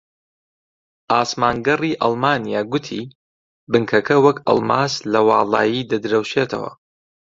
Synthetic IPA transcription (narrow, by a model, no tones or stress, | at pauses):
ʔaːsmaːŋɡɐriːʔɐlˠmaːnijaːɡʊt̪ʰḭː | bɨŋkʰɐkʰɐwɐkʰɐ̰lˠmaːslɐwɑːlˠɑ̰ːjiːd̪ɐd̪ɾɐwʃeːt̪ʰɐ̰wɐ̰